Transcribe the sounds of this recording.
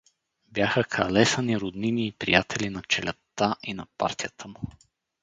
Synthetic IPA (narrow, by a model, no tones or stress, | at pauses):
bjaxəkʰɐlɛsəniɾʊd̪niniːpɾḭjat̪ʰɛlʲinɐt͡ʃɛlʲɛ̰t̪ːaʔinɐpa̰ɾt̪ʲijət̪ʰəmʊ